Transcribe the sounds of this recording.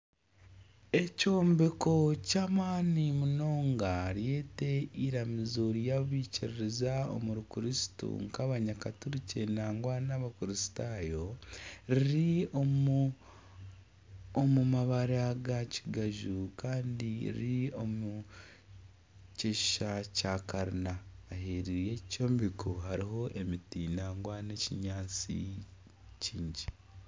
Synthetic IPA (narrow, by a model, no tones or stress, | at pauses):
e̞co̞ːmbeko̞caːmaːnimuno̞ːŋɡaɾje̞ːte̞iɾamizoɾjaβiːciɾiɾezao̰muɾukuɾisi̥tṵŋkaβaɲakatuɾicenaːŋɡwaːnaβakuɾisi̥taːjo̞ɾiɾio | omumaβaɾaɡaci̥ɡaʒukaːndiḭɾio̞mu | ceʃacaːkaɾinaːheɾije̞co̞ːmbikuhaɾiɦo̞ʔe̞mitinaːŋɡwane̞ciɲaːt͡sḭ | ciːɲɟi